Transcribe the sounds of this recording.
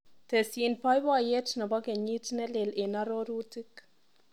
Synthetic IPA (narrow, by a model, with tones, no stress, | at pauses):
tɛ˨si˨npa˦jwa˦je˦tnɔ˨bɔ˦kɛ˨ɲi˦tnɛ˦le˨le˨na˦ɾoɾu˦tɪ˦k